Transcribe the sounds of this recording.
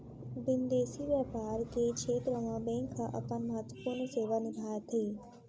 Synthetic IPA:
bɪnd̪eːsiʋjaːpaːɾkekʃʰeːt̪ɾəmãbẽːŋkʰːaʔɐ̰pənmɐɦət̪wəpuɾnseːʋanɪɡ̪ʱaːjət̪ʰiː

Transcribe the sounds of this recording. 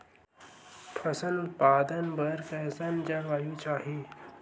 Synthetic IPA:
pʰəsəlut̪̚paːd̪ənbəɾkɛːsand͡ʒɐɽʋaːjũt͡ʃaːɦi

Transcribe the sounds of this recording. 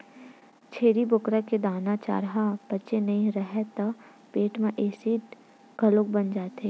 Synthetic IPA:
t͡ʃʰeːɾibʊkɾaked̪aːnat͡ʃa̰ːɾɦab̥ɐːʃenɐɦĩɾɐɦɛt̪ɐ | peːʈmẽʔeːsiːʈ | ɡʱɐlõkbɐnd͡ʒaːt̪eː

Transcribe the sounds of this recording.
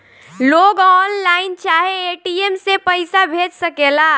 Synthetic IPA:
loɡɔnlaɪnt͡ʃaɦeːʈiemsepəɪsabʱed͡ʒsəkela

